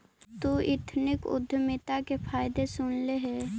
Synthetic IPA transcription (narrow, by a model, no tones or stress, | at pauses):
t̪uːʔɪt̪ʰnɪkʊ̰d̪ʱːəmɪt̪akepʰaːjd̪esʊnleɦɛː